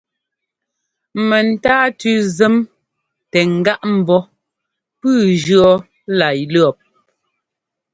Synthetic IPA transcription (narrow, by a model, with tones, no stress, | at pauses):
mɛ˨n̩˨taː˦tʉ˦zɛ˦m | tɛ˨ŋ̩˨ɡa˦ʔm̩˨bɔ˦ | pʉː˦˨d͡ʒɰɔ˦ | la˨jlɔ˨p̚